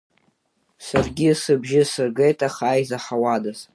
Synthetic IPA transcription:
sarɡʲɪsɨbʒɪsɨrɡejtʼaχaːjzaħawadaz

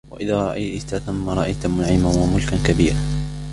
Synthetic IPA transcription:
wa̰ʔɪðaːɾˤɑʔajt̪aθʊmːaɾˤɑʔajt̪mʊnaʕɪmanwamʊlkankabiːɾa

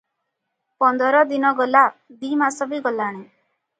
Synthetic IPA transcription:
pɔnd̪ɔɾɔd̪inɔɡɔlad̪imasɔbiɡɔlaɽ̃e

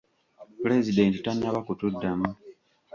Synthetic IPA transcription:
pule̞zide̞ntitanːaβakutudːamu

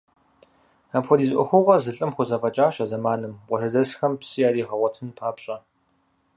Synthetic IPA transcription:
apxʷɔdiːzʔʷɔ̰xʷʊʁɐzɨɬʼɨmxʷʊzɐfʼɐt͡ʃʼaːɕɐzɐmaːnɨmqʷɔɬɐzɐsxɐmpsijaːɾiːʁɐʁʷɔtʰɨnpʰaːpɕʼɐ

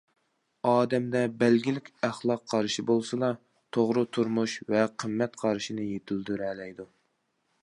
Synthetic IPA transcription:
ɑːd̪ɛmd̪ɛbɛlɡʲilɪkʲæχlˠɑqʰːɑɾʃibolˠsɨlˠɑ | t̪ʰoʁɾɨt̪ʰuɾmuʃvɛqʰəmːɛt̪qʰɑɾʃinɨjet̪ʰyld̪yɾɛlɛjd̪u

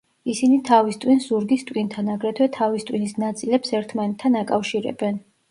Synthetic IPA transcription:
isinit̪ʰavist̪ʼwinszuɾɡist̪ʼwint̪ʰanaɡɾɛt̪ʰwɛt̪ʰavist̪ʼwinisnat̪sʼilɛpsɛɾt̪ʰmanɛt̪ʰːanakʼafʃiɾɛ̰bɛn

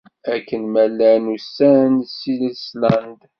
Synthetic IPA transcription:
ækːənmælːænusːænsilislænd̪

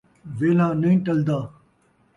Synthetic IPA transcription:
ʋeːlãːnɐĩʈɐld̪aː

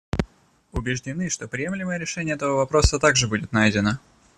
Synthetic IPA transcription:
ʊbʲɪʐdʲɪnɨʂt̪o̞pɾʲɪjemlʲɪməjəɾʲɪʂɛnʲɪjəɛt̪əvəvɐpɾo̞sət̪aɡʐɨbudʲɪt̪najdʲɪnə

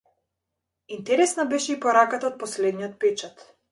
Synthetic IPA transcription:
int̪ɛɾɛsnabɛʃɛipɔɾakat̪aot̪̚pɔslɛd̪nijɔt̪̚pɛt͡ʃat̪

